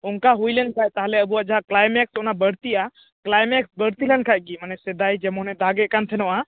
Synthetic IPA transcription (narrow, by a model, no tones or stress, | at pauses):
unkaɦujlɛnkʰajt̪aɦlɛəbuad͡ʒaɦaklajmɛksunabəɽt̪iʔa | klajmɛksbəɽt̪ilɛnkʰajɡimanɛsɛd̪ajd͡ʒɛmɔnɛd̪aɡɛʔkant̪ʰɛnɔwʔa